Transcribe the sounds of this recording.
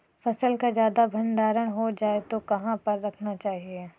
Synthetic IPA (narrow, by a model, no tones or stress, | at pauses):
fɐsəlkazjaːd̪abʱɐ̃ɳɖaːɾəɽ̃ɦod͡ʒaːet̪okɐɦãpɐɾːɐkʰnat͡ʃaːɦie